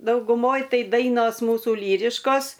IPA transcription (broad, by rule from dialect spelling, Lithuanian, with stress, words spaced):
dɐʊɡʊˈmoːj ˈtɐɪ ˈdɐɪnoːs ˈmuːsʊ ˈlʲiːrʲɪʃkoːs